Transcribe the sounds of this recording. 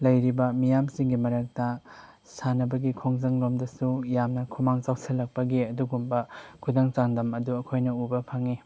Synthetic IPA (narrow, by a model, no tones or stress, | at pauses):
lɐjɾibɐmijamsiŋɡimɐɾɐk̚tɐ | sanɐbɐɡikʰoŋzɐŋɾomdɐsujamnɐkʰumaŋt͡ʃawsʰelːɐk̚pɐɡiɐduɡumbɐkʰudaŋt͡ʃaŋdɐmɐduɐkʰojnɐubɐpʰaŋi